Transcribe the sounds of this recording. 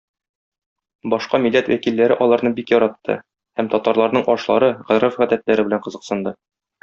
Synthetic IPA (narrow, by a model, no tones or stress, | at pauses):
bɒʃqɑmilːæt̪wækilːæɾɘʔɒlˠɑɾnɤbikjɒɾɑt̪ːɤ̰ | hæmt̪ɒt̪ɑɾlˠɑɾnɤɴʔɒʃlˠɑ̰ɾɤʁæɾæfʁæd̪æt̪læɾɘbɘ̆læɴqɤ̆zɤ̆qsɤ̆nd̪ɤ